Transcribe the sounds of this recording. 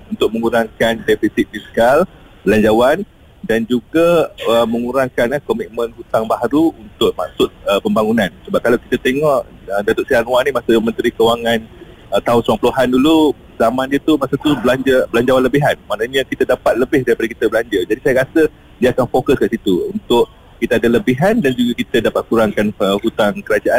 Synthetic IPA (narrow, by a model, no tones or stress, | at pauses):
unt̪ʊk̚mə̃ŋuɾaŋkandɛfisit̪̚fiskal | bəlaɲd͡ʒawan | dand͡ʒuɡaəməŋuɾaŋkanhkomit̪̚mə̃nhut̪aŋbaɦɾuunt̪ʊʔ̚ma̰k̚sʊt̪̚əpəmbaŋunãnsəbap̚kalawki̥t̪at̪eŋɔʔədat̪oʔsianwanimasəmənt̪ɾikəwaŋan | ət̪aʊnsɾaŋpəluɦandulu | zamãndiət̪umaʔsat̪ublaɲd͡ʒəbəlaɲd͡ʒawaləbiɦanmaʔnaɲãkit̪adapat̪̚ləbɪhdaɾipadakit̪əbəlaɲd͡ʒəd͡ʒadisajaɾasə | diəakanfokəskaʔsit̪uunt̪ʊʔ | kit̪aadaləbiɦandand͡ʒuɡakit̪ədapat̪̚kuɾaŋkanəhut̪aŋkəɾad͡ʒaʔa